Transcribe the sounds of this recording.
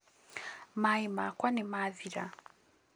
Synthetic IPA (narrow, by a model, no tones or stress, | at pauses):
maimakwanimaðiɾa